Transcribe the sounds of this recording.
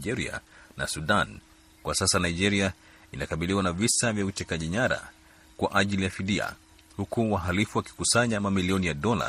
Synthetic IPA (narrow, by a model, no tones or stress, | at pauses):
ʄɛɾia̰na̰suɗan | kwasasanaid͡ʒɛɾia | inakaɓiliwanavisavjautɛkaʄiɲaɾa̰ | kwaʔaʄilijafiɗia̰ | hukuwaɦalifuwaki̥kusaɲamamiliɔnijaɗɔla̰